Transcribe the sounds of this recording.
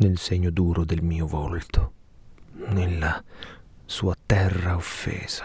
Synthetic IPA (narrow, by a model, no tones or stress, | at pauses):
nelseɲːʊd̪uːɾʊd̪elmiːovolt̪ʰo | nelːa | suːat̪ɛrːaofːɛ̰ːz̥ḁ